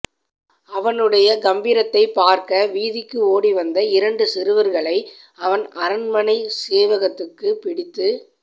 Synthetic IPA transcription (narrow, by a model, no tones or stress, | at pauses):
ɐʋɐnɯɽɐjɐɡɐmbiːɾɐt̪ːɐɪpːaːɾkɐʋiːðɪkːɯoːɽiʋɐnd̪ɐɪɾɐɳɖɯsɪɾɯʋɐɾɣɐɭɐɪ | ɐʋɐnɐɾɯnmɐnɐɪseːʋɐɣɐt̪ːɯkːɯpɪɽɪt̪ːɯ